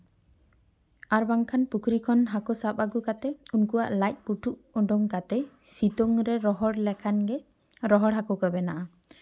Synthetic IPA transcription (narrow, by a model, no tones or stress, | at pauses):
aɾbaŋkʰanpukʰɾikʰɔnɦakɔsap̚aɡukat̪ɛunkuwa̰ʔlajt̪̚ˀpuʈʰuʔɔɖɔŋkat̪ɛ | sit̪ɔŋɾɛɾɔɦɔɽlɛkʰanɡɛ | ɾɔɦɔɽɦakɔkɔbɛnaʔa